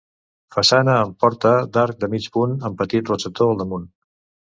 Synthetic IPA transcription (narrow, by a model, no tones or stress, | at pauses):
fəsanəːmpɔɾt̪əd̪aɾk̚d̪əmit͡ʃpunəmpət̪it̪rosət̪oəlˠd̪əmun